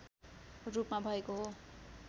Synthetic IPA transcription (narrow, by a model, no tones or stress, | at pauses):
rupmabʱʌekoɦo